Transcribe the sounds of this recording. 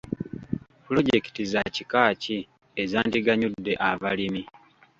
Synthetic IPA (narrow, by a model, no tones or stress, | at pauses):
pulo̞ɟe̞ki̥tizacikaːci | ezaːndiɡaɲudːe̞ʔaβalimi